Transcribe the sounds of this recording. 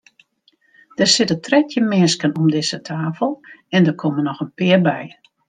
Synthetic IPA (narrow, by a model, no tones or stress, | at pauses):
d̥ərsɪtətrɛtʰjəmɪskənɔmdɪsətʰaːfəlˠɛndərkʰɔmənɔxənpɪːərbɛj